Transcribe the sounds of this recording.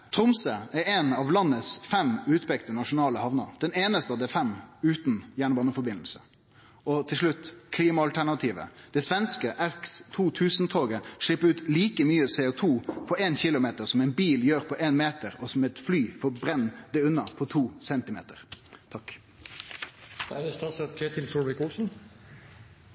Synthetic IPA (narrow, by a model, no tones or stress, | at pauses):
t̪ʰɾʊmsəæɾɛnɑʋlɑnːəsfɛmʉːt̪pʰɛkt̪ənɑʂʊnɑːləhɑʋnɑ̰d̪ɛneːnəst̪əɑʋd̪ɛfɛmʉːt̪njæːɳəbɑːnəfɔɾbɪnl̩sə | ɔt̪ʰɪlʂɭʉt̪ːkʰliːmɑɑlt̪ʰæɳɑt̪ʰiːʋə̰d̪̥ɛsʋɛnskəʔɛkst̪ʰuːt̪ʰʉːsnt̪ʰoːɡəʂɭɪpːəɾʉːt̪liːkəmyːəseːʊt̪ʰuːpʰɔeːnçɪlʊmeːt̪əɾsɔmɛɪnbiːljøːɾpʰɔʔeːnmeːt̪əɾɔsɔmɛt̪flyːfɔbɾɛnːd̪ɛʉnːɑpʰɔt̪ʰuːsɛnt̪ɪmḛːt̪əʁt̪ʰɑk | æd̪ɛst̪ɑsɑpkʰet̪ʰɪlfɔɪkɔsn̩